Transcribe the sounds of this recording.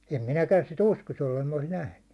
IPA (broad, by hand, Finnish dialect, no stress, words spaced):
em minækæn sit uskos jolːem mi̥n̥æ olis næhny